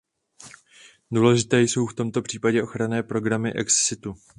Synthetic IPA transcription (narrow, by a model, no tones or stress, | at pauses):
duːlɛʒɪt̪ɛːjso̞wft̪o̞mt̪o̞pr̝̥iːpaɟɛʔo̞xɾanɛːpɾo̞ɡɾamɪʔɛkssɪt̪u